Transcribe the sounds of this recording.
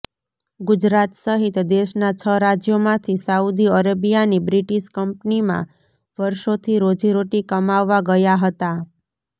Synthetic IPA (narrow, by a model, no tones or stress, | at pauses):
ɡʊd͡ʒɾat̪səɦit̪d̪eʃnat͡ʃʰəɾad͡ʒjomãt̪ʰisaud̪iəɾəbijanibɾiʈiʃkəmpnimã̰ | ʋəɾʃot̪ʰiɾod͡ʒiɾoʈikəmaʋːaɡəjaɦət̪a